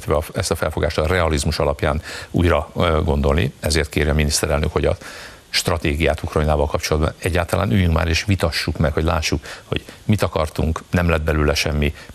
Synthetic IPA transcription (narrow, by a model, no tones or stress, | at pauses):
t̪ʋɛɒɛst̪ɒfɛlfo̞ɡaːʃt̪ɒrɛɒlizmuʃɒlɒpjaːnṵːjrɒɡo̞nd̪o̞lnḭɛzeːrt̪keːɾjɒminist̪ɛɾɛlnø̰kho̞ɟɒ̰ | ʃt̪rɒt̪eːɡijaːt̪ukrɒjinaːvɒlkɒpt͡ʃo̞lɒd̪bɒ̰nɛɟːaːlt̪ɒla̰ːnyːjyŋkma̰ːɾeːʃʋit̪ɒʃːukmɛkho̞ɟlaːʃːukho̞̰ɟ̥mit̪ɒkɒrt̪uŋknɛmlɛd̪̚bɛlyːlɛʃɛmːi